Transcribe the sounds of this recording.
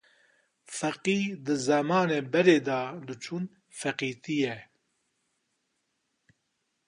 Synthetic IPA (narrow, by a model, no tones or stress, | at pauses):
fɛqiːd̪ɨzɐmɑːneːbɛɾeːd̪ɑːd̪ɨt͡ʃʰuːn | fɛqiːt̪ijɛ